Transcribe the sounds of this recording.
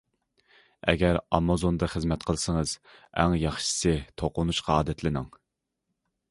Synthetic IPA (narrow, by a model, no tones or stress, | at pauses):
ɛ̰ɡʲɛɾɑmɑzond̪ɨχəzmɛt̪̚qʰəlˠsəŋəz̥æ̰ŋjɑχʃɨ̥sɨt̪ʰoqʊnuʃqʰɑɑːd̪ɛt̪ʰlɪnɨŋ